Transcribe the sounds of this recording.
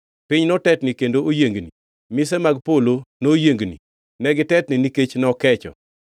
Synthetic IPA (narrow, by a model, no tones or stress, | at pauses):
pɪɲnɔtɛtnikendoojeŋɡni | mɪsɛmaɡpolonojeŋɡnḭ | nɛɡɪtɛtnɪniket͡ʃnɔkɛt͡ʃɔ̰